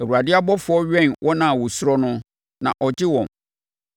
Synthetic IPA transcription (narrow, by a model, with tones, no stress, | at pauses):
æ˨wu˨ɾa˨dɪ˦a˦bɔ˦fʊ˨ɔ˦ɥᶣɛ̃˦˨nwʔɔ˦nã˨wʊ˨sʊ˦ɾɔ˦nʊ̃˦ | nã̰˨ʔɔ˨d͡ʑɪ˦wɔ̃˨m